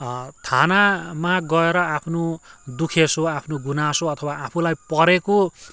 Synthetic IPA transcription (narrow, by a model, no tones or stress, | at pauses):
t̪ʰanamaɡʌeɾʌapʰnod̪ukʰesoapʰnoɡunasoʌt̪ʰʌwaapʰulajpʌɾeko